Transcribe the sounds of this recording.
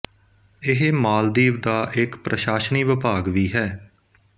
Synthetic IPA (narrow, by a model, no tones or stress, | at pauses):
ɪɦmaːld̪iːʋd̪aːʔɪkpɾʔəʃaːʃniːʋɪpaːɡʋiːɦɛː